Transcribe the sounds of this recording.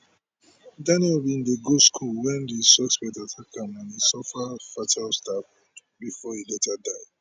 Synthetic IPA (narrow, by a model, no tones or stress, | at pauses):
danɛlbĩndeɡoskʰulwɛ̃ndisɔspɛtatʰakãnãnisɔfafatʰalstaf | bifɔilɛtʰadaɪd